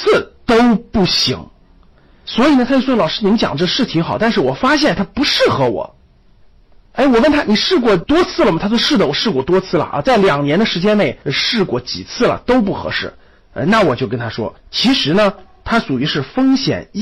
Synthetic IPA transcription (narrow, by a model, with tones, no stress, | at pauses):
t͡s̩ʰ˥˩t̪o˥ʊpu˥˩ɕḭ˧˥ŋ | swɔ˧˥i˨˩nə˩t̪ʰa˥t͡ɕo˥˩slɑ˨˩ʊʂɻ̩˥ni˧mə˥t͡ɕjɑ̰˨˩ŋʈ͡ʂɤ˥ʂɻ̩˥˩t̪ʰi˧˥ŋxɑ˨˩˦t̪a˥˧nʂ̬ɻ̩˥˩wɔ˨˩fa˥ɕjɛ˥˩nt̪ʰa˥pu˧˥ʂɻ̩˥˩xɤ˧˥wɔ̰˨˩˦ | e˥˩ɪwɔ˨˩wə˥˩nt̪ʰa˥ni˨˩ʂɻ̩˥˧kwɔ˥˩t̪wɔ˥t͡sʰɹ̩˥˩lə˩mɐ˩t̪ʰa˥t͡ɕʂɻ̩˥˩d̪ə˩wɔ˨˩ʂɻ̩˥˩kwɔ˥˩t̪wɔ˥t͡sʰɹ̩˥˩lə̰˩ʔt͡sa˥˩ɪljɑ˨˩ŋnjɛ˧˥nd̪ə˧ʂɻ̩˧˥t͡ɕjɛ˥ne˥˩ɪ˧ʂɻ̩˥˩kwɔ˥˩t͡ɕḭ˨˩t͡sʰɹ̩˥˩lə̰˩t̪o˥ʊp̬u˥˩xɤ̰˧˥ʂɻ̩˥˩ | ə̰˧na˥˩wɔ˨˩t͡ɕjo˥˩ʊk̬ə˥nt̪ʰa˥ʂwɔ̰˥t͡ɕʰi˧˥ʂɻ̩˧˥nə˧t̪ʰa˥ʂu˨˩y˧˥ʂɻ̩˥˩fɤ˥ŋɕjɛ̰˨˩n